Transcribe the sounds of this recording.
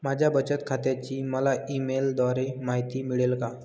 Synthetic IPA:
mad͡ʑʱjabət͡ɕət̪kʰat̪jat͡ɕiːməlaimeld̪ʋaɾemaɦit̪iːmiɭelka

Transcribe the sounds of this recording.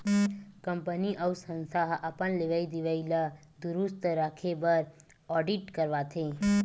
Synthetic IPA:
kəmpəniʔəwsə̃nsaɦʔapəɳleʋaid̪iʋaila | d̪uɾust̪ɾakʰebəɾ | ɔɖiʈkəɾʋat̪ʰe

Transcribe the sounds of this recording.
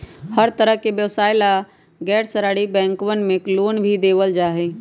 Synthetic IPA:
həɾt̪əɾəɦkebjəʋsaːɪla | ɡɛːʈsəɾaːɽibɛ̃ːŋkʋənmẽkloːnbʱid̪eːʋəld͡ʒaːɦeː

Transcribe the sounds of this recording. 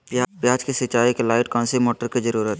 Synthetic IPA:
papjaːd͡ʒkisɪt͡ʃaːikelaːɪʈkɔ̃ːnsemoːʈəɾkizɐɾuːɾət̪

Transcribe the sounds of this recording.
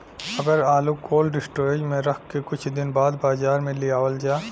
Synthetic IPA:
ɐɡəɾaːlukoːlɖɪsʈoːeːd͡ʒmẽɾɐkʰkekʊt͡ʃʰd̪ɪnbaːd̪baːzaːɾmẽlɪaːʋəld͡ʒaː

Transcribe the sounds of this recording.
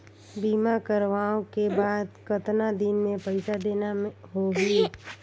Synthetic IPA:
biːmakəɾʋaːõkebaːd̪kət̪nad̪ɪnmẽpəɪsad̪eːnaɦoɡiː

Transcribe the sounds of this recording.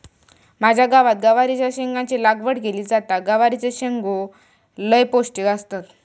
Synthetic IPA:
mad͡ʑʱjaɡaʋat̪̚ɡaʋaɾit͡ɕjaɕeŋɡãt͡ɕilaɡʋəɽɡeliːd͡zat̪aɡaʋaɾit͡seɕeŋɡo | ləjposʈikast̪ət̪

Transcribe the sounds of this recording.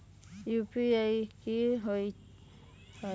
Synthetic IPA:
jupiajkiɦj | h

